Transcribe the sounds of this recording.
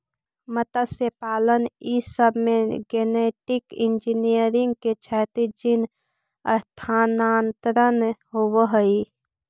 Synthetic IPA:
mət̪əsepaːlənisəbmẽɡeneːʈɪkĩnd͡ʒinijəɾɪ̃ŋɡ̚ket͡ʃʰɛːt̪id͡ʒɪn | ə̰st̪ʰaːnaːnt̪ɾənɦowəɦəi

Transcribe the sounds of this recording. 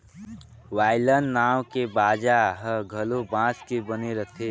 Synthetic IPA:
waːɪlənːaːwkebaːd͡ʒaɦəɡʱəlobãːskebəneɾət̪ʰe

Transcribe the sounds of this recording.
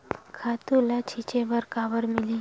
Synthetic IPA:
kʰaːt̪ulat͡ʃʰit͡ʃebəɾkaːbəɾmɪli

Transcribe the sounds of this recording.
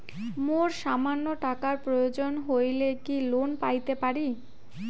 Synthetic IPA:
moɾʃamanːoʈakaɾpɾojod͡ʑonɦojlekilonpajt̪epaɾi

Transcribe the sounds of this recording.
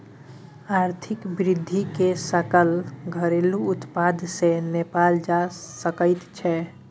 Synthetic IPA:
aɾt̪ʰɪkbɾɪd̪ʱːikesəkəlɡʱəɾeluʊt̪pad̪ʱsenepald͡ʒasəkəɪt̪t͡ʃʰɛ

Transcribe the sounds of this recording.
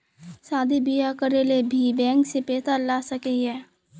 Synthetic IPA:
saːd̪ʱibijakəɾelebʱibɛ̃ːŋksepeːt̪alaːsəkejɛː

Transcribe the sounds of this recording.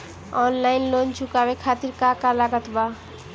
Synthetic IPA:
ɔnlajnlond͡ʑʱukabekʰat̪iɾkakalaɡat̪ba

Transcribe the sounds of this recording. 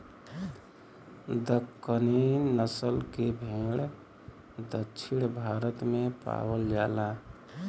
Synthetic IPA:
d̪əkːəninəsəlkebʱeɽ | d̪əːt͡ʃʰiɽbʱaɾət̪mepa̰wəld͡ʒala

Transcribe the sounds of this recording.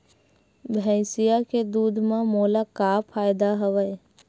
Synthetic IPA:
bʱɛ̃ɪsɪjaked̪uːd̪ʱmãmoːlakaːpʰaːjd̪aɦəʋəj

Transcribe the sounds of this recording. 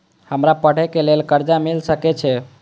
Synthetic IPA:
həmɾapəɽ̤ɛkelelkəɾd͡ʒamilsəkɛt͡ʃʰɛ

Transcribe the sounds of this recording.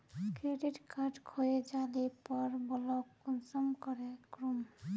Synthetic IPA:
kɾeɖiʈkʰaʈkʰojed͡ʒalipɔɾbɔlokunsɔmkɔɾekɾum

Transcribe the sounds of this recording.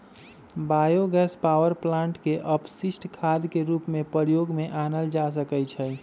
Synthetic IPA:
bajoɡɛspawəɾplãɳʈkeʔəpsisʈʰkʰad̪keɾupmepəɾjoɡmeʔanəld͡ʒas̬əkət͡ʃʰɛ

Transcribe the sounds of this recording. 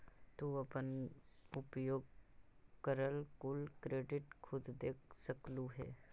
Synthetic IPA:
t̪uɐpənʊpjoːɡ̚ | kəɾəlkʊlkɾeːɖɪʈkʰʊd̪d̪eːksəkluɦɛ̰ː

